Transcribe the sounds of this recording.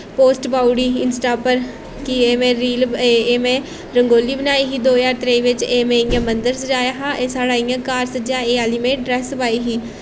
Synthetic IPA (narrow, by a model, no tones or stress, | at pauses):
poːsʈbaːuɽiːɪnsʈaːpəɾ | kieːmẽːɾiːleːmẽː | ɾəŋɡoːliːbənaːiːɦiːd̪oːjaːɾt̪ɾeiːʋɪt͡ʃeːmẽːijãːmənd̪əɾsd͡ʒaːjaːɦãːʔeːsaːɽaːijãːkaːɾsd͡ʒãːeːaːliːmẽːɖɾɛːsbaːiːɦiː